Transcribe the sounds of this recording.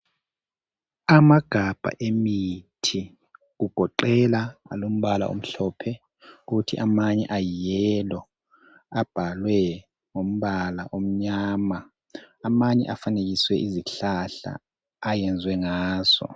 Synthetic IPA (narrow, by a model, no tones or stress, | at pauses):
amaɡ̥ʱab̥ʱa̰ʔemitʰi | ɣuɡ̥ʱɔǃɛlaalom̩βala̰ʔo̰m̩ɬɔpʰɛ | uɣutʰiʔamaɲɛ̰ʔajjɛlɔ | ab̥ʱalwɛ | ŋom̩βalaʔom̩ɲaːma | amaɲɛ̰ʔafaneɣ̬iswɛʔiziɬaɬa̰ː | jɛnd͡zʱwɛŋaːz̥ɔ̰